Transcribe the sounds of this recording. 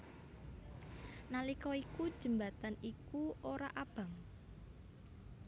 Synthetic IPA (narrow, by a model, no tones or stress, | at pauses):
nalikɔikud̥ʒ̥ə̤mbat̪anikuoɾaʔab̥a̤ŋ